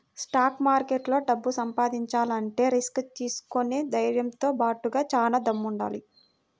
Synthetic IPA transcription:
sʈaːkmaːɾkeːʈlo̞ːɖɐbːusɐmpaːd̪iɲt͡ʃaːlɐɳʈe̞ːɾiskt̪iːsu̥koned̪ɐjɾjɐmt̪o̞ːbaːʈuɡaːt͡ʃaːlaːd̪ɐmːuɳɖa̰ːli

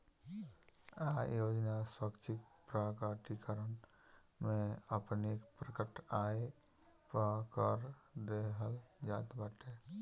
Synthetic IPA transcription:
ajoːd͡ʒnaswəkt͡ʃʰɪkpɾakaʈikəɾən | mẽəpnekpɾəkəʈaːe | pəkəɾd̪eɦəld͡ʒaːt̪baʈe

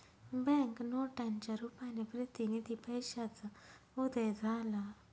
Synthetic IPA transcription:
bɛ̃ŋknoʈãɲt͡ɕaɾupanepɾət̪inid̪ipəjɕat͡sa | ud̪əjd͡zʱala

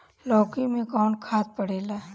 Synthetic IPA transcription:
lɔːkimẽkɔːnkʰaːt̪̚pɐɽeːlaː

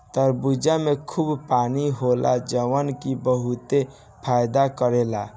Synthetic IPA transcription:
t̪əɾbud͡ʒamekʰubpaniɦolʔa̰d͡ʒəwənkibəɦut̪e | pʰajd̪akəɾela̰

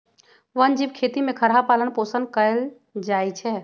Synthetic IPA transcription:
ʋənd͡ʒibkʰet̪imẽkʰəɾɦapaːlənpoːsənkəel | d͡ʒaːjt͡ʃʰɛ

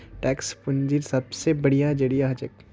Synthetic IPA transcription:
ʈɛːkspʊnd͡ʒiɾsɐbsebɐɽijad͡ʒɐɽijaɦd͡ʒək̚

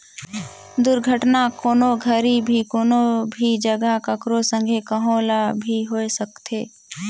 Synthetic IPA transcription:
d̪ʊɾɡʱəʈnakoːnoɡʱəɾibʱikoːnobʱid͡ʒəɡəkəkɾosə̃ŋɡʱekəɦolabʱiɦoːesəkt̪eː

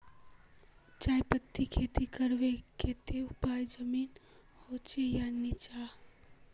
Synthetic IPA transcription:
t͡ʃaːjpət̪ʰːikʰeːt̪ʰikəɾʋekʰet̪ʰeʊpajd͡ʒəmiːn | hot͡ʃejanit͡ʃa

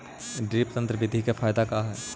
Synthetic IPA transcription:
ɖɾiːpt̪ə̃nt̪ɾəʋɪd̪ʱikefʰaːjd̪akaɦɛː

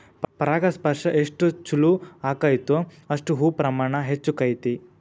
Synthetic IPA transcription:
pɐɾaːɡɐspɐɾʂɐʔeʂʈut͡ʃuluaːkajt̪u | ɐʂʈuɦuːpɾɐmaːɳɐɦet͡ʃːukɐjt̪i

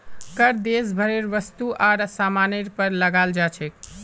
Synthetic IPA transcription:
kəɾd̪es̬bʱəɾeɾʋəst̪uʔaɾsamaneɾpəɾləɡald͡ʒat͡ʃʰɛk

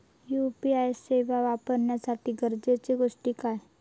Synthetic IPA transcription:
jupiajseʋaʋapəɾnjasat̪ʰiɡəɾd͡ʒet͡ʃeɡoʂʈikae

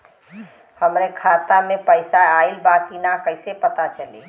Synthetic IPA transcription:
həmɾekʰat̪amepəɪsaailbat̪̚kinakəɪsepət̪at͡ʃəlḭ

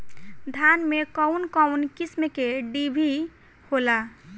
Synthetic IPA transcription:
d̪ʱanmekɔwnkɔwnkismekeɖibʱi | hola

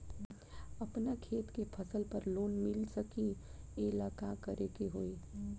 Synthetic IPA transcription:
ɐpnakʰeːt̪kepʰəsəlpəɾloːnmɪlsəki | elaːkakəɾekeɦoːi

